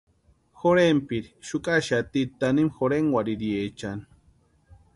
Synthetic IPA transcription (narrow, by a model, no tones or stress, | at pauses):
xoɾempiɾiʃukʼaʃat̪it̪animxoɾeŋwaɾiɾjet͡ʃani